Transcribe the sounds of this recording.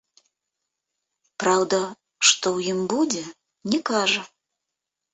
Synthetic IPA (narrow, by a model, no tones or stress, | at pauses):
pɾawd̪ɐ | ʂt̪ɔwjimbud͡zʲɛ | nʲɛkaʐɐ